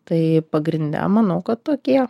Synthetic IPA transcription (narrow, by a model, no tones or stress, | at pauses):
t̪ɐɪpɐɡɾʲɪnʲd̪ʲɛ̰mɐnɐʊkɐt̪t̪oːkʲiɛ